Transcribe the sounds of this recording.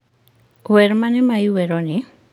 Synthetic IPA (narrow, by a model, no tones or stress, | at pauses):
weɾmanemajuβeɾoni